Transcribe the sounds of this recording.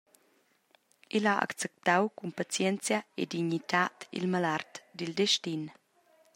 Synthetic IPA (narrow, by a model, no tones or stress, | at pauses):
ʔilaʔa̰kt͡sɛp̚t̪awkumpat͡sjɛnt͡sjaḛdiɲit̪at̪ḭlmalart̪d̪ild̪ɛʃtin